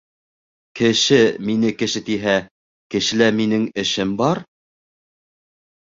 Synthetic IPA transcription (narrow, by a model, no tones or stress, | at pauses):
kɘ̆ʃɘminɘkɘ̆ʃɘt̪iɦæ | kɘ̆ʃɘ̆læminɘŋɘ̆ʃɘmbɑɾ